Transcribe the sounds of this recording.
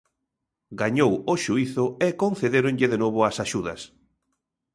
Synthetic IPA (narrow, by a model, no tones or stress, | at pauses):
ɡaɲowoʃuiθʊekonθeðeɾõnʎɪðenoβʊasaʃuðɐs